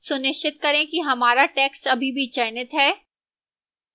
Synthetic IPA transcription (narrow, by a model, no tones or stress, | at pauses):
sʊnɪʃɪt̪kɐɾẽkiɦɐmaːɾaʈɛːksʈɐbʱibʱit͡ʃɛːnɪt̪ɦɛː